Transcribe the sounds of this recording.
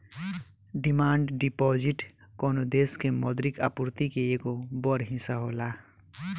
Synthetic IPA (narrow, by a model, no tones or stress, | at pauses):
ɖimaːɳɖɖipɔd͡ʒiʈkɔnod̪eskemʌd̪ɾika̰puɾt̪ikeekobɔɾɦĩsaɦola